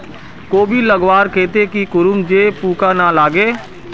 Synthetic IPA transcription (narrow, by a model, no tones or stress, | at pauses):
koːbʱiləɡwaːɾkʰeːt̪ekikʊɾʊmd͡ʒeːpuːkanalaːɡeː